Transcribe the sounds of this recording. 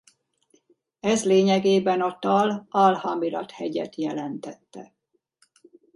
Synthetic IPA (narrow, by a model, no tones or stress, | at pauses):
ɛzleːɲɛɡeːbɛnɒt̪ɒlɒlhɒmilɒ̰t̪hɛɟɛ̰t̪jɛlɛnt̪ɛt̪ːɛ